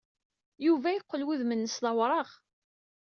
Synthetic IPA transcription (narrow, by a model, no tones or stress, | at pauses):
juvæjiqʷːəlwuðmənːəsðɑwɾˤɑʁ